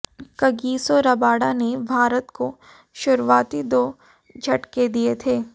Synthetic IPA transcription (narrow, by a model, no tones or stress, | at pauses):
kɐɡiːsoɾɐbaːɽanebʱaːɾət̪ko | ʃʊɾʋaːt̪id̪oː | d͡ʒʱɐʈked̪iet̪ʰeː